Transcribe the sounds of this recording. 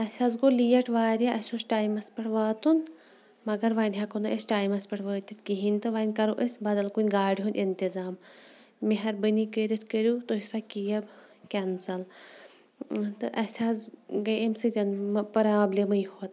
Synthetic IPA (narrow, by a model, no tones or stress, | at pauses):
ɐsʲazɡolijɐʈʰʋaːɾʲjaʔɐsʲosʈaːjmɐspɐʈʰʋaːt̪un | mɐɡɐɾʋaːnʲɦakond̪oʔɐsʲʈaːjmɐspʲɐʈʰʋəːt̪ʲit̪kiɦinʲt̪ɨʋaːnʲkɐɾoʔəsʲbɐd̪ɐlkunʲɡaːɽiɦund̪ʲint̪izaːmː | eɦɐɾbənikəɾit̪ʰkəɾut̪oɦisakijɐb | kʲɐnsɐl | t̪ɨʔɐsʲazɡɐemsɨd͡ʒɐnmpɐɾaːblʲimɐjhuɐt̪